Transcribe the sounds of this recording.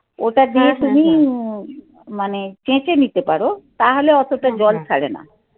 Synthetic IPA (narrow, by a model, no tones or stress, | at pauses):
oʈad̪iet̪umi | manet͡ɕẽt͡ɕenit̪epaɾot̪aɦoleɔt̪oʈad͡ʑɔlt͡ɕʰaɽḛna̰